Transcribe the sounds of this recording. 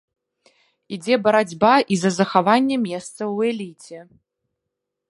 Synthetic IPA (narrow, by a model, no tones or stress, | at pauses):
id͡zʲɛbɐɾad͡zʲbaʔizɐzɐxavanʲːɛmʲɛst̪sɐwɛlʲit͡sʲɛ